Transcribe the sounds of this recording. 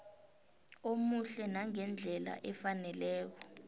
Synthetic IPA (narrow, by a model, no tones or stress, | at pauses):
omuɬɛnaŋɛnd͡ɮʱɛla̰ʔɛfanɛlɛːk̬ɔ